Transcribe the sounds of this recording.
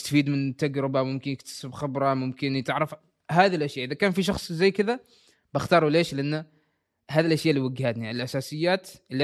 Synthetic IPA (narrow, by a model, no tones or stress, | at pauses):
st̪afiːd̪mɪnt̪ːaɡɾɪbamʊmkɪnjɪkt̪ḁsɪbxɪbɾˤɑmʊmkɪnt̪ɪʕɾɪf | haːðilʔaʃjaʔɪðakaːnfiʃ̬ɑxsˤzajːkɪða | bɪxt̪ɑːɾˤuleːʃlɪʔanː | ɦaːd̪ilʔaʃjaʔliwaɡːhat̪niʕlʔasaːsɪjːaːt̪ʔɪlːi